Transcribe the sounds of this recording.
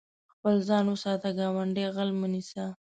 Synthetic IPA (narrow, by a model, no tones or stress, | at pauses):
xpəlzɑnwəsɑt̪aɡɑwaɳɖeɣalmənisa